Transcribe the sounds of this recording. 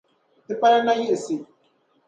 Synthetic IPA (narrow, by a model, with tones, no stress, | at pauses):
tɪ˦pa˦ɾa˦na˦ji˦ʔsi˨